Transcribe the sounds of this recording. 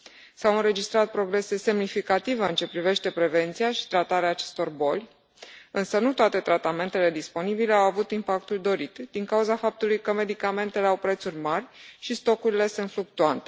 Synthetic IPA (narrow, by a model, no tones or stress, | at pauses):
sawɨnɾe̞d͡ʒist̪ɾat̪̚pɾo̞ɡɾe̞se̞se̞mnifikat̪iveɨnt͡ʃe̞pɾive̞ʃt̪e̞pɾe̞ve̞nt̪sijaʃi̥t̪ɾat̪aɾeaːt͡ʃe̞̥st̪o̞rbo̞lʲ | ɨnsənut̪oat̪e̞t̪ɾat̪ame̞nt̪e̞le̞d̪ispo̞nibile̞awavut̪impakt̪uld̪o̞ɾit̪d̪̥iŋkauzafap̚t̪ulujkəme̞d̪ikame̞nt̪ele̞awpɾe̞t̪suɾʲmarʲʃist̪o̞kuɾile̞sɨnfluk̚t̪uant̪e̥